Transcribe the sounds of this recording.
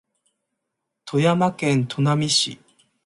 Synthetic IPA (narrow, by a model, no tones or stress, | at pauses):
t̪ʰo̞jamakẽ̞nt̪ʰo̞namʲiɕḭ